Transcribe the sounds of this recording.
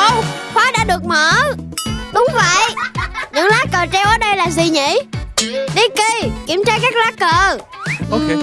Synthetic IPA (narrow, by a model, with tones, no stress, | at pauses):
ʔə˧wxwaː˨˦ɗa̰ː˧˥ɗɨ˨˩ək̚məː˧˨˦ | ɗʊ˨˦wŋ͡mvə̰˧˨jɲɨ̰˧˥˦ŋlaː˨˦˥kəː˨˩t͡ɕɛ˧wʔəː˨˩˦ɗə˧jlaː˨˩zi˨˩ɲḭ˧˨ | ɗi˧˦ki˧ki˧˩əmt͡ɕaː˧kaː˦˥k̚laː˦˥kəː˨˩ʔ